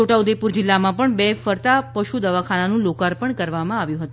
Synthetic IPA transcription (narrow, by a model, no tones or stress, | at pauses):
oʈaud̪epuɾd͡ʒɪlːamãpəɳbefəɾt̪apəʃud̪əʋakʰananũlokaɾpəɳkəɾʋamãaʋjũɦət̪ũ